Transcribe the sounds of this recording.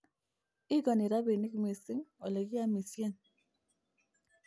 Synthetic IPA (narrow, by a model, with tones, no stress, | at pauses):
i˦ɡɔ˨ni˨ɾa˦be˨ni˦kmi˨sɪ˦ŋɔ˨lɛ˨ɡɪ˦a˦mi˨sje˦n